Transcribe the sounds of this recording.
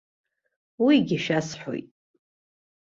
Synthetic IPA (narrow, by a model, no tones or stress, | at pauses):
wiɡʲiʃasħʷo̰jtʼ